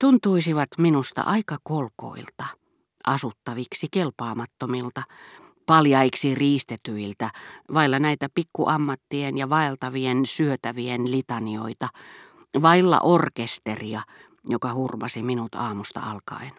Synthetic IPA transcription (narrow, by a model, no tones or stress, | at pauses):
t̪unt̪uisiʋɑt̪minust̪ɑ̰ʔɑikɑkolko̰ilt̪ɑ | ʔɑsut̪ːɑʋiksikelpɑːmɑt̪ːomilt̪ɑ | pɑljɑiksiriːst̪et̪yilt̪æʋɑilːɑnæit̪æpikːuʔɑmːɑt̪ːienjɑʋɑelt̪ɑʋiensyøt̪æʋienlit̪ɑnio̰it̪ɑ | ʋɑilːɑ̰ʔorkest̪eriɑ | jokɑhurmɑsiminut̪ɑːmust̪ɑ̰ɑlkɑ̰in